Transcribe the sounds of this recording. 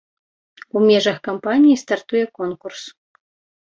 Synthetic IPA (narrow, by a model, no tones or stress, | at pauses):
umʲɛʐɐxkampanʲijist̪art̪ujɛkɔnkurs